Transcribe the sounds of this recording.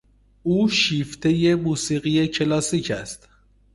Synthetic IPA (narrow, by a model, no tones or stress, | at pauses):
uːʃiːft̪ʰe̞je̞muːsiːɢije̞cʰe̞lɒːsiːcʰæst̪